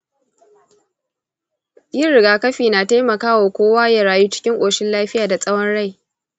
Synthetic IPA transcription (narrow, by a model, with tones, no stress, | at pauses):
jɪ˦ɾɪ˨ɡaː˨kɐ˦ɸiː˨naː˨ta˦jmɐ˨kaː˦waː˨kʷoː˦waː˦ja˨ɾaː˨juː˦t͡ʃɪ̥˦kʲɪ˦ŋʔʷʼoː˨ʃɪ˦nlaː˦ɸɪ˦jaː˨da˨sʼɐ˦wɐ˦nɽa˦˨j